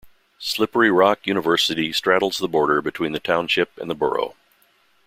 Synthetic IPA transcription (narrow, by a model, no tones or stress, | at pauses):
slɪpə˞iɹɑkjʉñəvɜ˞sɨɾistɹ̥æɾl̩ˠzðəbɔɹɾə˞bɨtʰw̥ĩnðɨtʰãʊ̃nʃɪpɨ̰̃nðəbɜ̰˞o̰ʊ